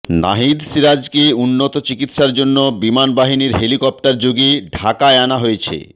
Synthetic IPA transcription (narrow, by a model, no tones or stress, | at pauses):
na̰ɦid̪siɾad͡ʑkeunːot̪ot͡ɕikit̪ʃaɾd͡ʑonːobimanbaɦiniɾɦelikɔp̚ʈaɾd͡ʑoɡeɖʱakaeanaɦojet͡ɕʰḛ